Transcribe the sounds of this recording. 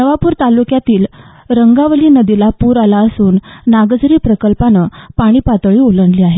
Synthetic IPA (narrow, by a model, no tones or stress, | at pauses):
nəʋapuːɾt̪alukjat̪iːl | ɾəŋɡaʋəliːnəd̪ilapuːɾalaəsuːnːaɡəd͡zɾiːpɾəkəlpanəpaɽ̃iːpat̪ɭiːoləɳliːaɦe